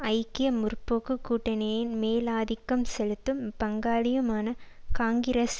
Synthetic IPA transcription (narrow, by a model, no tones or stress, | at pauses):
ɐɪkːɪjɐmʊrpːoːkːɯkːuːʈːɐnɐjɪnmeːlaːðɪkːɐmsɛlɯt̪ːɯmpɐŋɡaːlɪjɐmaːnɐ | kaːŋɡɪɾɐs